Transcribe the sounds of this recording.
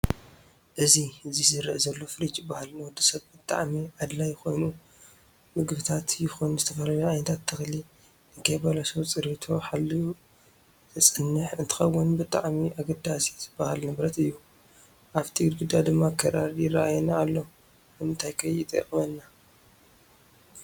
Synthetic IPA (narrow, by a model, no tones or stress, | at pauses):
ʔɨziɨzizɨɾʔzɐlːo̞fɨɾit͡ʃʼbahalnɨwɔd̪ːisɐβbɨt̪ʼa̰ʕmiʕad̪lajɪxo̞jnu | mɨɡbɨt̪ʰat̪jɪxonzɨt̪ʰɐfɐlɐlaajnt̪ʰat̪ʰːɨxli | ɨkʰɐjbalasɐβt͡sʼɨɾit̪ʰo̞ħalːi | ɨsʼɨnːɨħɨnt̪ʰɨ̥xɐwːʊnbɨt̪ʼa̰ʕmiʔaɡɐd̪asibahalnɨβɾɐt̪ɨjːu | ʔaβt̪ʰiɡɨd̪ɡɨd̪ad̪ɨmːakʰɐɾaɾjɪraʔajnaːlːo | ɨmɨnt̪ʰajkʰɐjit̪ʼɐ̰kʼmɐnːa